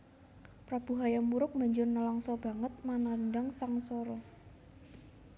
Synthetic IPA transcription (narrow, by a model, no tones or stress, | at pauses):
pɾab̥uɦajamuɾʊk̚ma̤ɲd͡ʒʊrnːəlɔŋsɔb̥a̤ŋət̪̚mananɖaŋsaŋsɔɾɔ